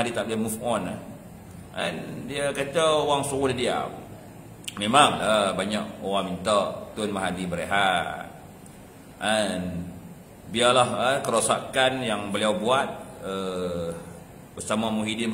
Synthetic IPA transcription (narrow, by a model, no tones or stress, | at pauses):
adit̪aʔ̚lamufʔɔnah | a̰ndiakət͡ʃaowaŋsuɣudadia̰ | memaŋəbaɲakowaŋmint̪əʔt̪ʊnmaɦadibəɾeɦaʔ | an | bialahəkəɾosakanjaŋbəliawbuat̪̚ə | b̥əsamamuɦidin